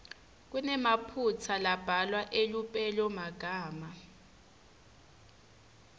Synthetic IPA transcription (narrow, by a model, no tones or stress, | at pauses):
k̬unɛmapʰut͡sʰalab̥ʱalwaʔelupʼɛlɔmaɡ̥ʱaːma